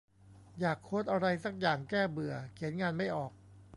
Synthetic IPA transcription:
jaː˨˩kʰːoː˦˥t̪ʔa˧ɾa˧jsa˧˥˩k̚jaː˨˩ŋkɛː˥˩bɯ˨˩ɐkʰi˩˦ənŋaː˧nma˥˩jʔɔː˨˩k̚

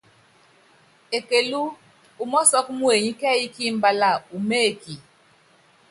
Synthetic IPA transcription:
e˨ke˨lu˦ | u˨mɔ˦sɔ˦kmu˦e˨ɲi˦kɛ˦i˦ki˦mba˦la˦˨u˨me˦˨ki˨

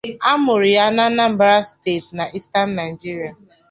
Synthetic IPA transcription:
a˦mʊ˨ɾi˨ja˦na˦na˦m̩˨ba˦ɾa˦ste˦˨tna˨ʔi˦sta˦nːa˨ɪ˨d͡ʒi˦ɾi˨a˨

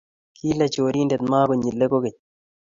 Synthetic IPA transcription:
kʰi˦lɛ˨t͡ʃoː˨ɾi˦nde˨t̪maː˦ko˨ɲi˨lːe˦ko˦ke˨

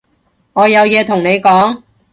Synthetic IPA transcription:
ŋɔː˨˧jɐ˨˧wjɛː˨˧t̪ʰʊ˨˩ŋne˨˧jkɔː˨˥ŋ

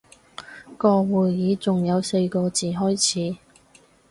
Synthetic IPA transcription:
kɔː˧wuː˨˩jjiː˨˧t͡sʊ˨ŋjɐ˨˧wse˧jkɔː˧t͡siː˨ɦɔː˥jt͡sʰiː˨˥

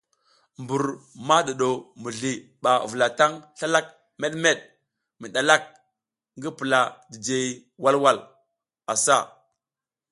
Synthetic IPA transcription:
mbu˨ɾma˦ɗa˨ɗo˨mu˨ɮi˨ɓa˨və˨la˨ta˦ŋɬa˦la˦k̚ | me˦ɗme˦ɗ̚ | mi˨ɗa˨la˦k̚ | ŋɡi˦pə˨la˨di˨d͡ʒe˨˦ | wa˦lwa˦l | a˨sa˦˨

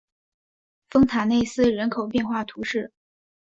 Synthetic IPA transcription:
fɤ˥ŋt̪ʰa˨˩ne˥˧ɪsɹ̩˥˩ɻə˧˥nkʰo˨˩ʊpjɛ˥˧nxwa˥˩t̪ʰu˧˥ʂɻ̩˥˩

